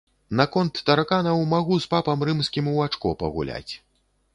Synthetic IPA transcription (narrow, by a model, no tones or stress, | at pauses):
nakɔnt̪ːɐɾakanɐwmaɣuspapɐmɾɨmskʲimuat͡ʂkɔ̰pɐ̰ɣṵlʲa̰t͡sʲ